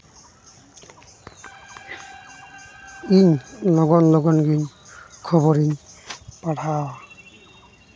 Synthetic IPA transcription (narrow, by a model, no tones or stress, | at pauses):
inlɔɡɔnlɔɡɔnɡinkʰɔbɔɾinpaʈʰaw